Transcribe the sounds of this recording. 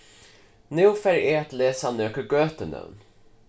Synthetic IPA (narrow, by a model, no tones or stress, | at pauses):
nʉwfæɾeːt̪leːsanøːkəɾɡøːt̪ənə̰wn